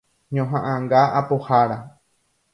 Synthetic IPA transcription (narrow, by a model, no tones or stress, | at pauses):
ɲõɦãʔãŋɡaapohaɾa